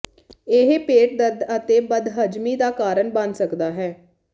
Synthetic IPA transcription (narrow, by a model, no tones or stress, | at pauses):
ɪɦpeːʈ̚d̪əd̪ət̪eːbəd̪ɦəd͡ʒmiːd̪aːkaːɾənbənsəkd̪aːɦɛː